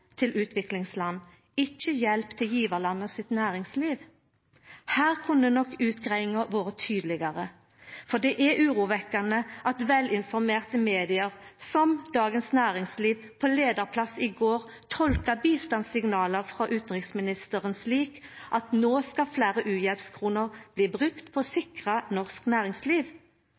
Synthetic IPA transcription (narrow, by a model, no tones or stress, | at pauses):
t̪ʰɪlʉːt̪ʰʋɪklɪŋslɑnː | ɪçːəjɛlpt̪ʰɪljiːʋəʁlɑnːəsɪt̪næːʁɪŋsliːʋ | hæːʁkʰʉnənɔkːʉːt̪ɡʁæɪŋəʋoːʁət̪ʰyːd̪əlɪɡɑʁə | fɔd̪ɛʔɛʔʉːʁuːʋɛkːɑnəʔɑt̪ʋɛlɪnfɔɾmeːʁt̪əmeːd̪ɪəʁsɔmd̪̥ɑːɡənsnæːʁɪŋsliːʋ | pʰoleːd̪əʁpʰlɑsɪɡoːʁ | t̪ʰɔlkəbiːst̪ɑnsɪŋnɑːləʁfʁɑʔʉːt̪n̩ʁɪksmɪnɪst̪əʁənsliːkʔɑt̪noːskɑflæːʁəʔʉːjɛlpskʰʁuːnəʁb̥liːbʁʉkt̪pʰɔsɪkʁənɔʁsknæːʁɪŋsliːʋ